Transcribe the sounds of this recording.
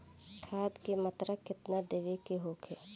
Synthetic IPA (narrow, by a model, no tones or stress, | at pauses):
kʰaːd̪kemɐt̪ɾəkːɪt̪nad̪eʋekeɦoːkʰe